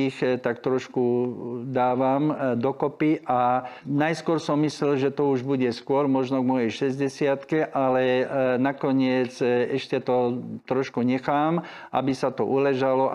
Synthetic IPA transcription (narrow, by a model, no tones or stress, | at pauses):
ixt̪ak̚t̪ɾɔʃkud̪aːʋamd̪ɔkɔpiʔanajskʊɔɾsɔmːislɛlʒɛt̪ɔuʒbuɟɛskʊɔɾmɔʒnɔɡmɔjɛjʃɛzɟɛsɪat̪kɛʔalɛnakɔɲɪɛt͡sɛʃcɛt̪ɔt̪ɾɔʃkuɲɛxaːm | ʔa̰bisat̪ɔʔulɛʒalɔ